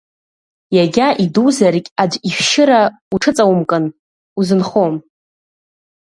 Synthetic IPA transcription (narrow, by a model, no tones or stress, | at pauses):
jaɡʲaʔiduzarkʲʼad͡ʒʷifʃɪɾa | uʈ͡ʂʰɨt͡sʼawumkʼɨn | uzɨnχom